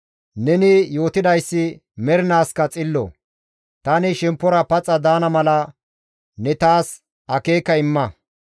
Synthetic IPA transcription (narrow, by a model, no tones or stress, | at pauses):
nɛnɪjo̞ːt̪ɪd̪ɐjsːɪ | mɛɾɪnaːskɐt͡sʼɪlːɔ̰ | t̪ɐnɪʃɛmpːɔɾɐpɐt͡sʼːɐd̪aːnɐmɐlɐ | nɛt̪aːs | ɐke̞ːkːɐɪmːɐ